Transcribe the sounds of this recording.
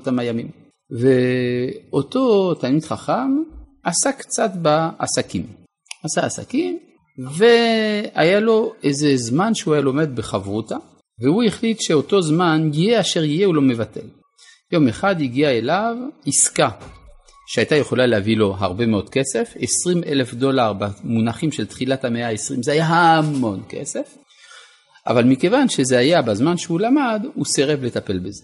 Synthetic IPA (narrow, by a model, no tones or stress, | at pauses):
t̪amajamim | ve | o̞to̞tanit̪χaχamʔasakt͡satbaa̰sakim | asaasa̰kim | ve̞ajalo̞ʔejzezmanʃeuajalo̞med̪̚beχavʁuta | veuiχlitʃeo̞to̞zmanjijeaʃeʁjijeulo̞me̞vatʰe̞̰l | jo̞me̞χad̪iɡiaelaviska | ʃeajtaje̞χo̞laleavilo̞ɦaʁbe̞meo̞d̥̪kese̞fesʁimʔḛle̞fd̪o̞laʁbamunaχimʃelt̪χilathameaesʁimzehajaɦamo̞nke̞̰se̞f | ʔa̰valmike̞vanʃezeajabazmanʃeulamaduseʁevle̞t̪ape̞lbeze